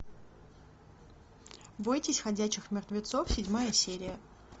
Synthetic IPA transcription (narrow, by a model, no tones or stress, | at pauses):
bojtʲɪsʲxɐdʲæt͡ɕːɪxmʲɪrt̪vʲɪt̪sofsʲɪdʲmajəsʲeɾʲɪjə